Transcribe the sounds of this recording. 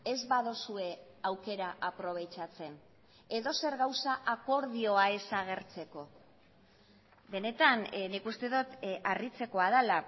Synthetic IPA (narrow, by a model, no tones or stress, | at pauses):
e̞zβaðosue̞ | awke̞ɾaʔapɾo̞β̞e̞jt͡ʃat͡se̞n | e̞ðo̞se̞ɾɣawsaʔako̞ɾðio̞ae̞saɣ̞e̞ɾt͡se̞ko̞ | be̞ne̞t̪annikust̪e̞ðut̪arit͡se̞ko̞aðala